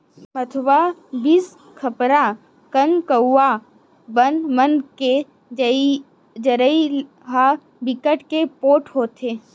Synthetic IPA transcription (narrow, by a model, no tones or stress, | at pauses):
ət̪ʰʋabis | kʰəpɾa | kəŋkəua | bənmənke | d͡ʒəɾəi | ɦa | bɪkəʈkepoːʈʰɦoːt̪ʰeː